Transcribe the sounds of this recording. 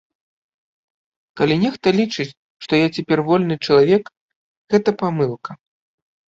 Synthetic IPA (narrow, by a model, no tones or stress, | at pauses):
kalʲinʲɛxt̪ɐlʲit͡ʂɨt͡sʲ | ʂt̪ɔjat͡sʲɛpʲɛrvɔlʲnɨt͡ʂɐlˠavʲɛk | ɣɛt̪ɐpamɨlˠkɐ